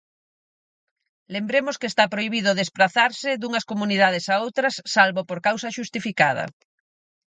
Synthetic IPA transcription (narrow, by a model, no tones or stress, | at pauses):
lembɾemʊskeːst̪apɾoiβ̞iðʊðespɾaθaɾsɪðuŋɐskomuniðað̞esaowt̪ɾɐsːalβopoɾkawsɐʃust̪ifikað̞ɐ̰